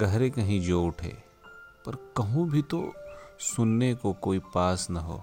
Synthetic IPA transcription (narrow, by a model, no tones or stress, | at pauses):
ɡɐɦɾekɐɦĩd͡ʒoːʈʰɦḛː | pɐɾkɐɦũbʱit̪o̰sʊnːekokoːipaːsnɐɦo̰ː